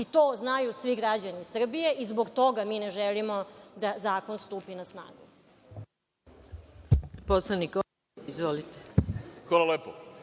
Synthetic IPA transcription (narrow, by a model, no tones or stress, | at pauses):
it̪oːznajusʋiɡɾad͡ʑanisr̩bije̞ʔizboɡt̪o̞ɡamineʒelimod̪azaːkonst̪uːpinasna̰ːɡṵ | poslaniko | izʋolit̪exalˠaleːpo